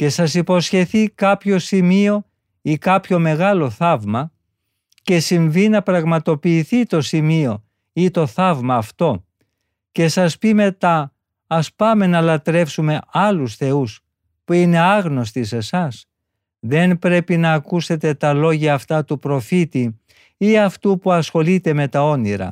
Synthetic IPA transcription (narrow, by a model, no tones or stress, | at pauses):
ce̞sɐsipo̞sçe̞θikɐpço̞simio̞ | ikɐpço̞me̞ɣɐlo̞θɐvmɐ | ce̞siɱvinɐpɾɐɣmɐt̪o̞piːθit̪o̞simio̞ | it̪o̞θɐvmɐːft̪o̞ | ce̞sɐspime̞t̪ɐː | spɐme̞nɐlɐt̪ɾe̞fsume̞ɐlusθe̞us | puine̞ɐɣno̞st̪ise̞sɐs | ðe̞npɾe̞pinɐːkuse̞t̪e̞t̪ɐlo̞ʝɐːft̪ɐt̪upɾo̞fit̪i | iɐft̪upuɐsxo̞lit̪e̞me̞t̪ɐo̞niɾɐ̰